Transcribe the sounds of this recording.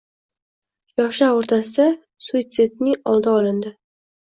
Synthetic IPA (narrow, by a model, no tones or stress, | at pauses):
jɒʃaoɾt̪ʰasɪd̪a | suit̪sɪt̪̚nɪŋɒlˠd̪aɒlɪnd̪ɪ